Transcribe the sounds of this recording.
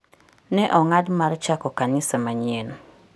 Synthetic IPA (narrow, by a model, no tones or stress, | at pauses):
nɛʔɔŋadmart͡ʃakɔkanɪsomaɲeno